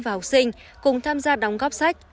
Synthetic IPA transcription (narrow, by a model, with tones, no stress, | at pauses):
vaː˨˩hʊ˨˩sï˧ŋ̟ | kʊ˨˩ŋ͡mt̪ʰaː˧mzaː˧ɗa˨˩wŋ͡mɣɔ˦˥p̚sa˦˥jk̟̚